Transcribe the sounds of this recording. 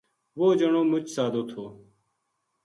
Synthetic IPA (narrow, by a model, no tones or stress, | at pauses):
ʋoːd͡ʒəɳoːmʊt͡ʃsaːd̪oːt̪ʰoː